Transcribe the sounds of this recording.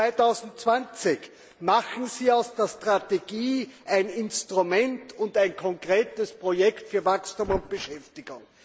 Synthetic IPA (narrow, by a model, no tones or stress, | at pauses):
aɪtaʊzn̩tt͡sv̥ant͡sɪç | maχn̩ziːaʊsd̥eːɐstʁ̥ateɡiːʔaɪnɪnstʁumɛntʰʊntæɪnkʰɔŋkʁeːtəspʁ̥ojɛktfyːɐvakstuːmʊnt̚b̥əʃɛftɪɡ̥ʊŋ